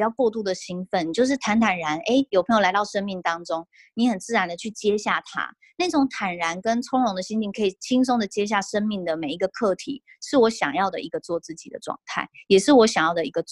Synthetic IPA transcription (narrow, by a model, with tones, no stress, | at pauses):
jɑ˥˧ʊkwɔ˥˧t̪u˥˩d̪ə˩ɕi˥ŋfə˥˩ni˨˩t͡ɕjo˥˧ʊʂ̬ɻ̩˥˩t̪ʰa˧˥nt̪ʰa˨˩nɻa˧˥ne˥ɪjo˨˩pʰə˧˥ŋjo˧˩la˧˥ɪt̪ɑ˥˩ʊʂə˥nmi˥˩ŋt̪ɑ˥ŋʈ͡ʂʊ˥ŋ | ni˧˥xə˨˩nt͡sɹ̩˥˩ɻa˧˥nd̪ə˨t͡ɕʰy˥˩t͡ɕjɛ˥ɕja̰˥˩t̪ʰa̰˥ | ne˥˩ʈ͡ʂʊ˧˦˥ŋt̪ʰa˨˩nɻa˧˦˥nkə˦nʈ͡ʂʰʊ˥ŋɻʊ˧˥ŋd̪ə˨˧ɕi˥nt͡ɕi˥˩ŋkʰɤ˧˥i˨˩t͡ɕʰi˥nsʊ˥ŋd̪ə˨t͡ɕjɛ˥ɕ̬ja˥˩ʂə˥nmi˥˩ŋd̪ə˩me˨˩ɪi˧˥ɡə˧kʰɤ˥˩t̪ʰḭ˨˩˦ | ʂɻ̩˥˩wɔ˧˥ɕjɑ̰˨˩ŋjɑ˥˩ʊd̪ə̰˩ʔi˧˥ɡə˧t͡swɔ˥˧t͡sɹ̩˥˩t͡ɕi˨˩d̪ə̰˦ʈ͡ʂwɑ̰˥˩ŋt̪ʰa̰˥˩ɪjɛ˨˩ʂɻ̩˥˩wɔ˧˥ɕjɑ˨˩ŋjɑ˥˩ʊd̪ə˩i˧˥ɡə˧t͡s